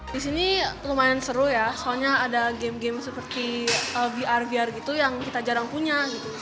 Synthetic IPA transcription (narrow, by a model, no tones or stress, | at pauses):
disinilumajansəɾʊjasoaɲaːdaɡemɡɛmsəpərt̪iəviʔarviarɡit̪ujaŋkit̪ad͡ʒaɾaŋpuɲaɡit̪u